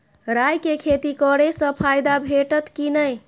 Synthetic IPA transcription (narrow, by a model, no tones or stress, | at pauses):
ɾajkekʰet̪ikəɽesə̃pʰajd̪abʱeʈət̪kinəj